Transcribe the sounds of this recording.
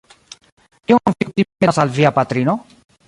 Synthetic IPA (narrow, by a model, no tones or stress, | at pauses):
iwamfikt̪iesalviapat̪ɾino